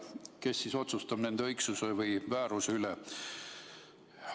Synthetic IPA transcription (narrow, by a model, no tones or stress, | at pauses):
ke̞sːiso̞t̪sust̪ɑb̥ne̞nd̪eɤjksusevɤjvæːɾuseylɛ